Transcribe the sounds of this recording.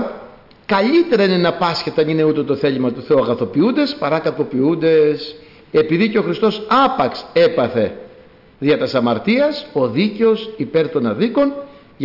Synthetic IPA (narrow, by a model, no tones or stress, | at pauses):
kɐʎit̪e̞ɾɐinenɐpɐsçet̪ɐnine̞ut̪e̞t̪o̞θe̞ʎimɐt̪uθeuɐɣɐθo̞piund̪e̞spɐɾɐkɐpo̞piund̪e̞s | e̞piðiceo̞xɾist̪o̞sɐpɐkse̞pɐθe̞ | ðiɐt̪ɐsɐmɐɾt̪iɐso̞ðice̞osipe̞ɾt̪o̞nɐðiko̞n | ʝ